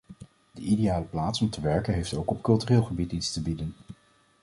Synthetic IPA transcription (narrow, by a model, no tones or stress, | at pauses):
dəʔidejaːləplaːtsɔmtəʋɛɹkənɦejftowkɔpkɵlˠtyreːlˠχəbititstəbidən